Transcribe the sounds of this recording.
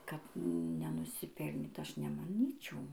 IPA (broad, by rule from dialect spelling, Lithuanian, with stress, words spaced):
kɐt nʲɛnʊsʲɪˈpʲɛlʲnʲiːt ˈɐʃ nʲɛmɐˈnʲiːt͡ʃʲɛʊ